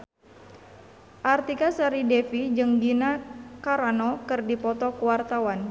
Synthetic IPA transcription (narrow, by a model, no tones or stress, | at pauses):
ʔart̪ikasaɾidɛfid͡ʒɨŋɡinakaɾanɔkɨrdipɔt̪ɔkuwart̪awan